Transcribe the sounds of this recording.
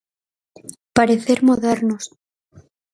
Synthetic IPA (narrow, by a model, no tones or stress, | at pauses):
paɾeθeɾmoðeɾnos